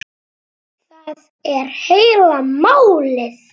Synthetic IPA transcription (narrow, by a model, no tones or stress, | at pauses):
θað | ɛɾ̥heːjlamaːwlɪθ